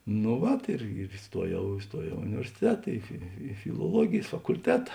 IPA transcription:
nʊ ˈʋɐt ɪr ɪr ɪˈstuɔjɛʊ ɪˈstuɔjɛʊ ɪ ʊnʲɪʋʲɛrʲsʲɪˈtʲæːtɐ ɪ ɪ fʲɪlˠuɔˈlˠuɔɡʲeːjs fɐkʊlʲˈtʲæːtɐ

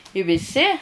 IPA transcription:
ɪ ʋʲɪˈsʲɪ

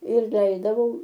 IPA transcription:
ɪr ˈlʲɛɪzdɐʋɐʊ

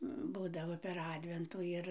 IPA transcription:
ˈbuːdɐʋoː pʲɛr ˈɑːdʲʋʲɛntuː ˈɪr

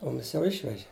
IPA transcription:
ˈmʊmʲɪs jɛʊ ˈɪʃʲʋʲɛʒʲɪ

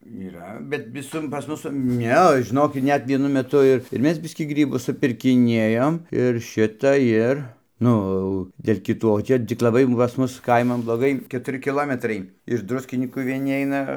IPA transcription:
iːˈrɐ bʲɛt ʋʲɪˈsʊr pɐs ˈmʊs ˈnʲɛ ʒʲɪˈnoːkʲɪt ˈnʲɛt ʋʲiɛˈnʊ mʲɛˈtʊ ɪr ɪr ˈmʲɛs ˈbʲɪsʲkʲiː ˈɡrʲiːbʊs sʊpʲɪrʲkʲɪˈnʲiɛjoːm ɪr ˈʃʲɪtɐ ˈɪr ˈnʊ ɐʊ dʲeːlʲ kʲɪˈtuː oː ˈt͡ʃʲɛ tʲɪk lˠɐˈbɐɪ pɐs ˈmʊs ˈkɐɪmɐn blˠoːˈɡɐɪ kʲɛtʊˈrʲɪ kʲɪˈlˠoːmʲɛtrɐɪ ɪʃ ˈdrʊsʲkʲɪnʲiːkuː ʋʲiɛˈnʲɪ ˈɐɪnɐ

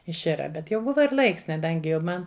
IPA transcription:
ɪʃʲˈɪrɐ ˈbʲɛt jɛʊ ˈbʊʋɐ ɪr ˈlˠɐɪks kɐˈdɐŋʲɡʲɪ jɛʊ ˈmɐn

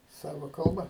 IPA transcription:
ˈsɑːʋɐ ˈkɐlˠbɐ

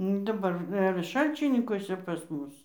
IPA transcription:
nʊ dɐˈbɐr ɪr ˈʃɐlʲt͡ʃʲɪnʲɪŋkuɔsʲɛ pɐs ˈmʊs

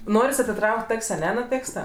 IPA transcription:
ˈnoːrʲɪs ɐtʲɪˈtrɐʊkʲtʲ ˈɐkʲsʲ ɐˈnʲɛ nʊ ˈtʲeːkstɐ

